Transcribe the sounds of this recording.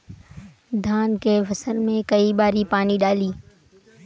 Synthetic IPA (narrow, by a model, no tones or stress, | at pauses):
d̪ʱaːnkeʋɐsəɾmẽkɐibaːɾipaːniɗaːliː